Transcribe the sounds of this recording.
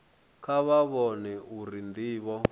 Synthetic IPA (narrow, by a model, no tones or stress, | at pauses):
kaβaβɔnɛuɾind̪iːβɔ